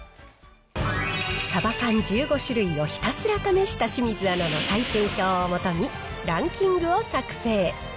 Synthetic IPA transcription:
sabakãɲ̟d͡ʑɨːɡo̞ɕɨɾɯ̟io̞çi̥t̪asɨɾat̪ame̞ɕi̥t̪aɕimʲizɨanono̞saitɯːkʲo̞ːmo̞t̪o̞ɲ̟i | ɾãŋkʲĩŋɡɯ̟o̞sakɯ̟̥se̞ː

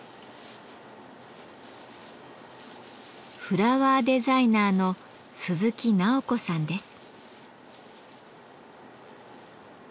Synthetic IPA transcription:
ɸɯ̟ɾaβaːd̪e̞zainaːno̞ | sɨzɨkʲinaoko̞sãnd̪e̞sɨ̥

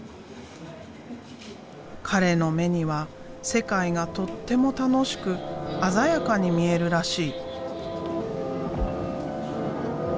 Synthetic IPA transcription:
kʰaɾe̞no̞me̞ɲ̟iβa | se̞kaiɡat̪o̞t̪ːe̞mo̞t̪ano̞ɕi̥kɯ̟azajakaɲ̟imʲie̞ɾɯ̟ɾaɕiː

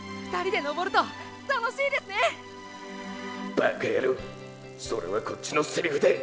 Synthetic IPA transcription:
ɸɯ̥t̪aɾʲid̪e̞no̞bo̞ɾɯ̟t̪o | t̪anoɕiːd̪e̞sɨne | ba̰kajaɾɯ | so̞̰ɾe̞̰βakʰot͡ɕːinoseɾʲihɯ̟d̪e

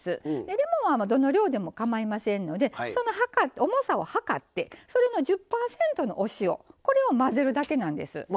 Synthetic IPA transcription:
sɨd̪ed̪e̞mo̞βamd̪o̞no̞ɾʲo̞ːd̪e̞mo̞kamaimasẽ̞nːo̞d̪e̞so̞no̞ɦakatomo̞sao̞hakat̪ːe̞so̞ɾe̞no̞ʑɨpːaːsẽ̞nt̪o̞no̞̰ʔoɕio̞̰ko̞ɾe̞o̞maze̞ɾɯ̟d̪ake̞nãnd̪e̞̰sɨ̰

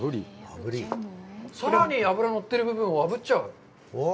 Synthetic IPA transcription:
ɯɾiabɯɾisʰʌɾaɲiabɯɾanʌt̪͈ːɯɾibubɯnwabɯt͡ɕ͈ʌ

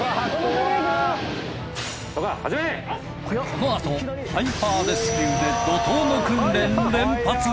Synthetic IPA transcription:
t̪okahad͡ʑime | kʰo̞noat̪o̞hʰaiɸaːd̪esɨ̥kʲiɯd̪e̞d̪ot̪oːnokɯ̃nɾẽnd̪ẽmpat͡sɨ

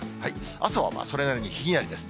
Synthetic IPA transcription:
hai | asoβa̰ma̰ːso̞ɾe̞naɾeɲ̟içiɡʲinaɾid̪e̞sɨ̥

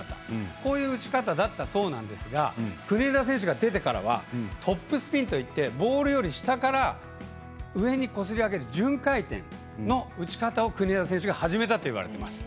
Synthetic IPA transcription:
t̪ḁko̞ːjɯ̟ːɯ̟t͡ɕi̥kat̪ad̪at̪ːaso̞ːnã̰nd̪e̞sɨɡa̰kɯ̟ɲʲeːd̪as̬ẽ̞ɕ̬ɨɡad̪e̞t̪e̞kaɾa̰β̞a̰t̪ʰo̞pːɯ̟sɨ̥pʲĩnt̪o̞it̪ːe̞bo̞ːɾɯ̟jo̞ɾʲiɕi̥t̪akaɾa | ɯ̟e̞ɲ̟iko̞s̬ɨɾʲiaɡe̞ɾɯ̟ʑɨ̃ŋkait̪ḛ̃n | no̞ɯ̟t͡ɕi̥kat̪ao̞kɯ̟ɲʲezas̬ẽ̞ɕ̬ɨɡahaʑime̞t̪at̪o̞iβ̞a̰ɾe̞t̪e̞masɨ̥

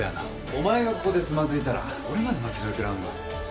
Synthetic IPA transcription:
a̰na̰ | o̞mae̞ɡako̞ko̞d̪e̞t͡sɨmazɨit̪aɾa̰ | ko̞ɾemad̪e̞makʲizoikʲeɾaɯ̃nd̪a̰

